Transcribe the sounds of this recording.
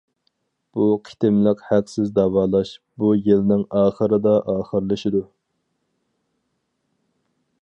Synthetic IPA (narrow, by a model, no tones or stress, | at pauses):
b̥uqʰi̥t̪ʰɪmlɪqhæqsɪzd̪ɑwɑːlˠɑʃbujilnɪŋɑːχəɾɨd̪ɑʔɑːχəɾlˠɨʃɪd̪u